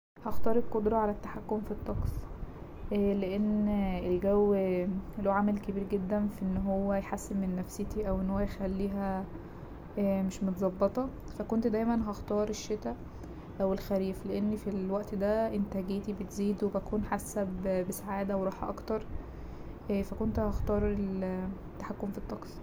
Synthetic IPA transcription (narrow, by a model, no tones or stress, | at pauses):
hɑxt̪ˤɑːɾˤelkod̪ɾˤɑʕalæt̪ːaħakːomfit̪ˤːɑqs | ʔleʔenelɡæw | loːʕamælkebiːɾɡed̪ːænfiʔenːɦowːæjħasːebmenːæfset̪iʔæwʔenːhowːæjexælːiːɦæ | meʃmot̪zˤɑbːet̪ˤɑ | fækont̪d̪æjmænɦɑxt̪ɑːɾˤeʃːet̪æ | ʔæwelxæɾiːfleʔenːifilwæʔt̪d̪æʔent̪æɡeːt̪ibet̪ziːd̪webækuːnħasːæbbesaʕaːd̪æwɾˤɑːħʔɑ̰kt̪ɑɾˤ | ʔfækont̪hɑxt̪ɑːɾˤel | t̪ːaħakːomfit̪ˤːɑqs